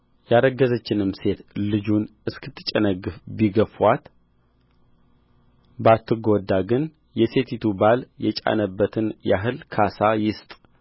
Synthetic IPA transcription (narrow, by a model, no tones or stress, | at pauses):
jaɾəɡːəzət͡ʃːɪnɨmse̞t̪lɨd͡ʒunɨskʰɨt̪ʰːɨ̥t͡ʃʼɛnəɡɨfbiɡəfwat̪ | bat̪ʰːɨɡod̪ːaɡɨn | jɛse̞t̪it̪ʰubaljɛt͡ʃʼa̰nəbːət̪ʰɨnjaɦɨlkʰasajɪst̪ʼ